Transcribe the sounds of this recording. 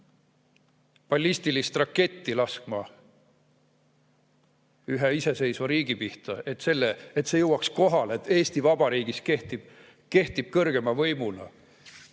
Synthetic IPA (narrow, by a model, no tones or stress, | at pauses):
pɑlʲːist̪ilist̪rɑkːe̞t̪ːilɑskmɑ | yɦeise̞se̞jsvɑɾiːɡ̥ipiht̪ɑe̞t̪ːse̞lːeet̪sejɤwɑksko̞ɦɑlet̪ːe̞ːst̪ivɑb̥ɑɾiːɡ̥iskeht̪ib | ke̞ht̪ib̥̚kɤrɡ̥e̞mɑvɤjmulɑ̰